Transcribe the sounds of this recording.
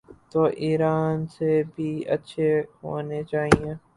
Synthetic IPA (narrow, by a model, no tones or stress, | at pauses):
t̪oːʔiːɾaːnsebʱiːə̰tːʃʰeɦo̰ːnet͡ʃaːɦiẽː